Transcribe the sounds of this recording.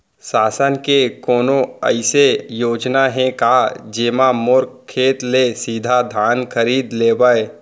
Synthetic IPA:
saːsənkekɔːnõə̰ɪsejoːd͡ʒnaɦɛ̃kad͡ʒeːmamʊɾkkʰːeːt̪lesiːd̪ʱad̪ʱaːnkʰəɾiːd̪leːbəe

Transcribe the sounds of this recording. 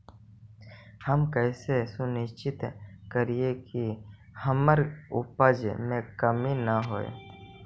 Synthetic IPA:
həmkəːsesʊnɪʃt͡ʃɪt̪kəɾiekihəməɾʊ̰pəd͡ʒmẽkəminəɦo̰ːḛ

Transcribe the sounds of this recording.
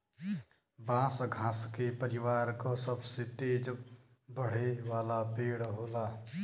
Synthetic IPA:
bãːsɡʱãːskepəɾɪwaːɾkasəbset̪eːd͡ʒ | bəɽ̤eʋaːlapeːɽɦoːlaː

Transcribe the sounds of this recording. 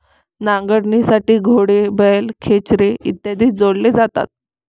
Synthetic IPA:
nãŋɡəɽnisaʈiːɡʱoɽebəjlkʰet͡ɕɾeḭt̪ːjad̪iːd͡zoɽled͡zat̪a̰t̪̚

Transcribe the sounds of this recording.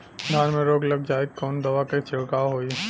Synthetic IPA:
d̪ʱaːnmẽɾoːɡlɐɡ̚d͡ʒaːekkːɔːnd̪ɐʋaket͡ʃʰɪɽkaːɦoːi

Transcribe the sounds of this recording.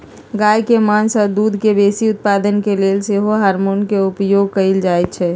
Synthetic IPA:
ɡaːjkemansəd̪uːd̪ʱkebeːsiʊt̪̚paːd̪ənkeleːlseɦoɦaːɾmoːnkeʊpjoːɡkəɪld͡ʒaːɛt̪̚t͡ʃʰɛː

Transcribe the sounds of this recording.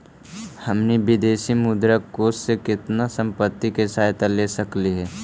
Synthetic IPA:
hɐmnibɪd̪eːʃimʊd̪ɾakoːssekɪt̪nasə̃mpət̪ːikesaːɦt̪aleːsəkliɦɛː

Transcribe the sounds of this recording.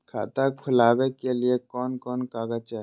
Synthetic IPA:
kʰa̰ːt̪akʰʊlaːbekeliekɔːnkɔːnkaːɡat͡ʃɛ

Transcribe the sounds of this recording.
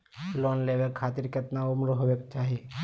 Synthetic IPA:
loːnleːʋekʰaːt̪iɾket̪naʊmɾoɦobekt͡ʃaːɦii

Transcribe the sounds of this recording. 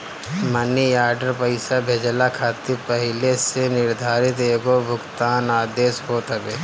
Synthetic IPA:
mənːijaːɾɖəɾpəɪsabʱeːd͡ʒlakʰaːt̪ipəɦɪlesenɪɾd̪ʱaːɾɪt̪eːɡobʱʊɡt̪aːnaːd̪eːsɦoːt̪ɐbeː

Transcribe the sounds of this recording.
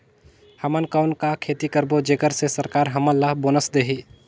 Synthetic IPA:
həmənkəʊnkakʰeːt̪ikəɾbod͡ʒeːkəɾsesəɾkaːɾɦəməlːəɦboːnəsd̪eːɦi

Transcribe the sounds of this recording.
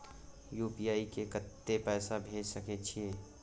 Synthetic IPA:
juːpiaːikekət̪ːepɛːsabʱeːd͡ʒsəket͡ʃʰiẽː

